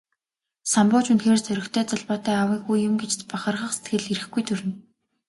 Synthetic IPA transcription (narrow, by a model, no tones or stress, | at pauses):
sampʊːt͡ɕunt̪xeːrt͡sœɾʲɪ̆kt̪ʰœːt͡sɔɮpɔːt̪æːawiːɡujːʊmɡet͡ɕt̪paχə̆rʁə̆χse̥t̪̚ɡɘ̆ɮeɾɘ̆xɡujt̪ʰɵɾɘ̆n